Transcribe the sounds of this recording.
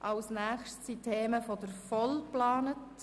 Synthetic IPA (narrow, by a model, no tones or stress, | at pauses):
ʔɑwsnæːχʃtsitʰːeːməfɔd̪əɾfɔlplɑːnət